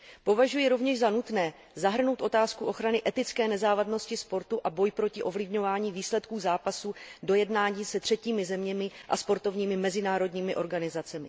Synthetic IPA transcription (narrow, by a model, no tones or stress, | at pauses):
po̞vaʒujɪɾo̞vɲɛʒzanut̪nɛː | zaɦr̩no̞wt̪ʔo̞t̪aːskuʔo̞xɾanɪʔɛt̪ɪt͡skɛːnɛzaːvadno̞scɪspo̞ɾt̪uʔabo̞jpɾo̞cɪʔo̞vlɪvɲo̞vaːɲiːviːslɛt̪kuːzaːpasuːdo̞jɛdnaːɲiːsɛt̪r̥ɛciːmɪzɛmɲɛmɪʔa̰spo̞ɾt̪o̞vɲiːmɪmɛzɪnaːɾo̞dɲiːmɪʔo̞ɾɡanɪzat͡sɛmɪ